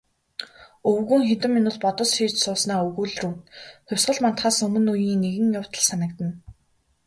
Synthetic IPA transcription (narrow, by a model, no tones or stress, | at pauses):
ɵwɣuːŋxet̪ɘ̆mːinʊːɮpɔt̪ɞ̆sxiːt͡ɕsʊːsnaːɵɣuːɮruːt̪xʊwʲsɢə̆ɮmant̪χaːsɵmɵ̆nujiːŋneɣɘ̆ŋjʊw̥t̪ə̆ɮsanə̆kt̪ə̆n